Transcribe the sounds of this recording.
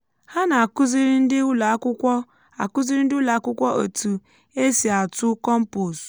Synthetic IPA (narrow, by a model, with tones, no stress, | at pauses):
ha˦na˨a˨kʊ˦zi˦ɾɪ˦n̩˦dɪ˦u˦la˨˦kʊ˦kʷɔ˦ | a̰˨kʊ˦zi˦ɾi˦n̩˦dɪ˦u˦la˨a˦˨kʊ˦kʷɔ˦ʔo̰˨tu˨ | e˦si˨a˨tʊ˦kɔ˦m̩˦pu˨s